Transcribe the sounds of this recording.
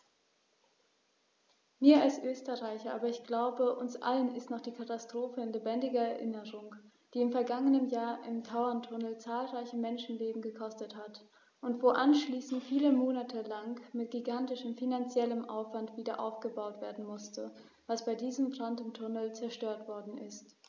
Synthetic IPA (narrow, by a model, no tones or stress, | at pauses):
miːɐalsʔøːstəʁaɪçɐʔa̰ːbɐɪçɡ̥laʊbəʔʊnsʔa̰lənɪstnɔχd̥iːkʰatastʁ̥oːfəɪnlebɛndɪɡɐɛɐʔɪnəʁʊŋ | d̥iːɪmfɛɐɡaŋənəmjaːɐʔɪmtʰaʊɐntʰʊnəl̩t͡saːlʁaɪçəmɛnʃn̩leːbm̩ɡəkʰɔstəthat | ʔʊntv̥oːʔanʃliːsn̩tfiːləmoːnatʰəlaŋmɪtɡ̥iɡantɪʃəmfinant͡sjɛləmʔa̰ʊfv̥antv̥iːdɐʔa̰ʊfɡ̥əbaʊtv̥eːɐdn̩mʊstə | v̥asb̥aɪdiːzəmbʁandn̩tʰʊnəl̩t͡sɛɐʃtøːɐtv̥ɔɐdn̩ʔɪst